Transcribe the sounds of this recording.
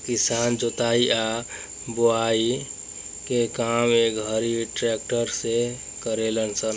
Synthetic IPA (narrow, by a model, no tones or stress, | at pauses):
kisand͡ʒot̪aiʔa | boai | kekameɡʱəɾiʈɾɛk̚ʈəɾse | kəɾelənsən